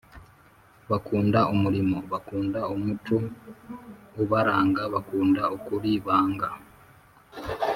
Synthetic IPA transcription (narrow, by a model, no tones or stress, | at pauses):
βakuːndaʔumuɾimoβakuːndaumutu | uβaɾaːŋɡaβakuːndaokuɾiːβaːŋɡa